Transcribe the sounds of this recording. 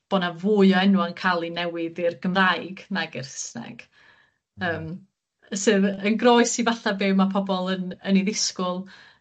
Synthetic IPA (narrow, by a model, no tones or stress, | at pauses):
b̥ɔnavuːɨɔɛnwankʰalˠinɛwɪðɪrɡəmrajɡnaɡɪrsna̰ɡ̥ | əːm | sɨðənɡrɔɨsivaɬabewmapʰɔbɔlˠənəniðɪskʊlˠ